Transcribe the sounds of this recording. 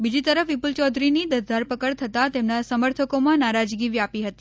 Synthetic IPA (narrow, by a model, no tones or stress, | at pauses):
bid͡ʒit̪əɾəfʋipult͡ʃɔd̪ʱɾinid̪əɾd̪ʱəɾpəkəɭt̪ʰət̪at̪emnasəməɾt̪ʰəkomãnaɾad͡ʒɡiʋiapiɦət̪i̥